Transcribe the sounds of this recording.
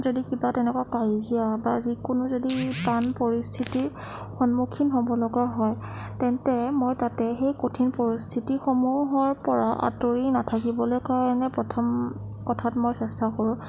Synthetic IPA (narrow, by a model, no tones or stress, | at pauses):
zodikibatɛnɛkwakajziabazikʊnʊzodipanpoɹistʰiti | xɔnmukʰinxɔmɔlɔɡaɦɔj | tɛntɛmojtatɛxejkotʰinpoɹistʰitixomuɦɔɹpɔɹaʔa̰toɹinatʰakibɔlojkaɹɔnɛpɔtʰɔm | kɔtʰatmojsɛstʰakoɹʊ̃